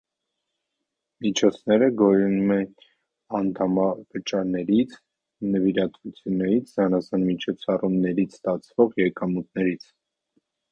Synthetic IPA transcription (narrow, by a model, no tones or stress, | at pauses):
mit͡ʃʰɔt͡sʰnɛɾəɡɔjunumɛn | ɑnt̪ʰɑmɑvət͡ʃɑɾnɛɾit͡sʰ | nəviɾɑt̪vut͡sʰjunːɛɾit͡sʰzɑnɑsɑnmit͡ʃʰɔt͡sʰɑrumnɛɾit͡sʰst̪ɑt͡sʰvɔʁjɛkɑmut̪̚nɛɾit͡sʰ